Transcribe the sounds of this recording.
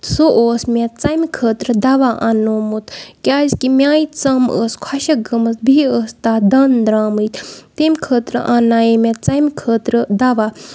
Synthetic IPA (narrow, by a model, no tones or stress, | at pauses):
soʔoːsmʲẽtt͡sɐmʲikʰəːt̪ɾɨd̪ɐʋaːʔanoːmut̪kʲaːzkimʲjaːit̪t͡sɐməːskʰwɐʃɐɡɐmɐsbʱiəːst̪aːd̪ɐnd̪ɾaːmɨjt̪t̪emʲkʰəːt̪ɾɨ̰ʔanaːjemʲet͡sɐmʲkʰəːt̪ɾɨd̪ɐʋaː